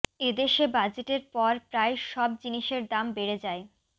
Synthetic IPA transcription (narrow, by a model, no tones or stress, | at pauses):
ed̪eʃebad͡ʑeʈeɾpɔɾpɾaeʃɔb̚d͡ʑiniʃeɾd̪ambeɾed͡ʑae